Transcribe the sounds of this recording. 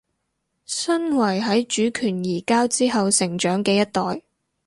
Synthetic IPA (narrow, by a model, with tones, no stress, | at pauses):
sɐ˥nwɐ˨˩jɦɐ˨˥jt͡ʃyː˨˥kʰyː˨˩njiː˨˩kaː˥wt͡siː˥ɦɐ˨wsɪ˨˩ŋt͡ʃœː˨˥ŋkɛː˧jɐ˥t̚t̪ɔː˨j